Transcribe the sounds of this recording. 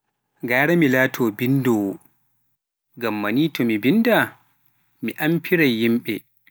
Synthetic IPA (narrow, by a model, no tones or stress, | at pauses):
ɡaːɽɛmilaːtʰɔːbindɔː | ɡɐmːɐniːtɔmibinda | miʔampʰiɾajjimɓɛ